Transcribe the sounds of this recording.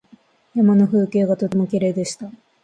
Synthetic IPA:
jamano̞ɸɯ̟ːke̞ːɡat̪o̞t̪e̞mo̞kʲeɾe̞ːd̪e̞ɕi̥t̪a

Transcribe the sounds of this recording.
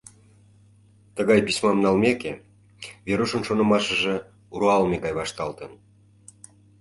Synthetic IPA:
t̪əɣɑjpismɑmnɑlmeke | βeɾuʃə̆nʃonə̆mɑʃə̆ʒe | uɾoɑlmeɣɑjβɑʃt̪ɑlt̪ən

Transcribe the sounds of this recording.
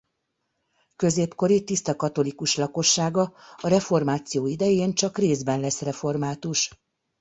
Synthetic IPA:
kø̞zeːpko̞ɾit̪ist̪ɒkɒt̪o̞likuʃlɒko̞ʃːaːɡɒɒɾɛfo̞rmaːt̪sijoːid̪ɛjeːnt͡ʃɒkreːzbɛnlɛsrɛfo̞rmaːt̪uʃ

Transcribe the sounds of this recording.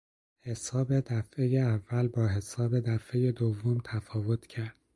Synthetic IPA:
he̞sɒːbe̞d̪æfe̞jeævːælbɒːɦe̞sɒːbe̞d̪æfe̞je̞d̪ovːomt̪ʰæfɒːvo̞t̪ʰcʰæɾd̪̥

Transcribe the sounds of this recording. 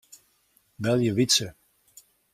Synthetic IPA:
bɛlˠjəvitsə

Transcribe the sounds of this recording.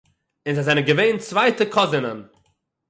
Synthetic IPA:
ɪnzaɪzɛnənɡəveɪnt͡svaɪtəkʰɔzənən

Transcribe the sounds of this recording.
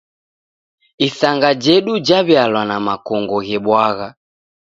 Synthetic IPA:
isaŋɡad͡ʒɛɗud͡ʒaβjalwanamakɔŋɡɔɣɛɓwaɣa

